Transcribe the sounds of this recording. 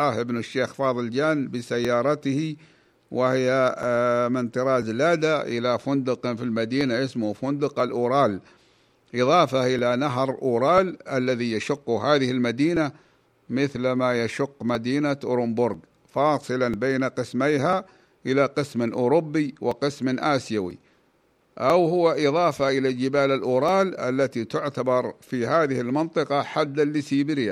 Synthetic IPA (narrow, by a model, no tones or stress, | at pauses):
ahʔɪbnɪʃːeːxfɑːðˤɨld͡ʒaːnbɪsajːɑːɾˤɑt̪hi | wɪhɪjːa | mɪnt̪ɨɾˤɑːzlaːd̪aʔɪ̰lafʊnd̪ʊqfilmad̪iːnaʔɪsmʊfʊnd̪ʊqalʔuːɾˤɑːl | ʔɪðˤɑːfaʔɪlanaɦɾʔuːɾˤɑːlʔalːaðijaʃʊqːʊɦaːðɪhɪlmad̪iːna | mɪθlmajaʃʊqːmad̪iːnaʔʊ̰ɾɪmbʊɾɡ | fɑːsˤɨlanbeːnaqɨsmajɦa | ʔɪlaqɨsmʔʊːɾʊbːiwɪqɨsmʔaːsjawḭ | ʔawɦʊwaʔɪðˤɑːfaʔɪlad͡ʒɪbaːlalʔuːɾˤɑːlʔa̰lːat̪it̪ʊʕt̪abɑɾˤfiɦaːðɪhɪlmɪnt̪ˤɨqɑħad̪ːalːɪsiːbɪɾɪa